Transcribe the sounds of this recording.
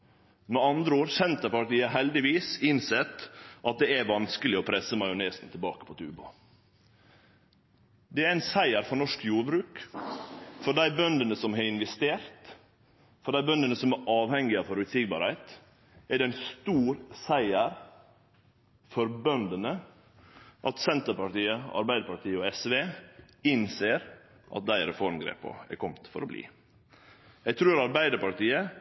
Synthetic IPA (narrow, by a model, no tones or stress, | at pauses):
mɛɑnd̪ɾəoːɾsɛnt̪əɾpɑʈiːɑɦɛld̪ɪʋiːsɪnsɛt̪ʔɑt̪̚d̪ɛæʋɑnskəlɪɔpʰɾɛsəmɑɪʊneːsn̩t̪ʰɪlbɑ̰ːkə̥pʰɔt̪ʰʉ̰ːbɑ̰ | d̪ɛæɾæɪnsæɪəɾfɔɳɔʂkjuːɾbɾʉːk | fɔɖæɪbœnd̪ənəsɔmɦeɪnʋɛst̪eːɾt̪ | fɔɖæɪbœnd̪ənəsɔmæɾʔɑːʋhɛŋɪɑfɔɾʉːt̪siːɡ̚bɑ̰ːɾhæɪt̪ | ʔæɖɛnst̪uːɾsæɪəɾ | fɔɾbœnd̪ənə | ʔɑt̪sɛnt̪əɾpɑʈiːəɑ̰ɾbæɪd̪əɾpɑʈiːəɔɛsʋeː | ɪnseːɾ | ʔɑ̰t̪̚d̪æɪɾɛfɔɾnɡɾḛːpə̰ɛ̰kʰɔmt̪fɔɾɔblḭː | jæɡt̪ʰɾʉːɾɑɾbæɪd̪əɾpɑʈiːə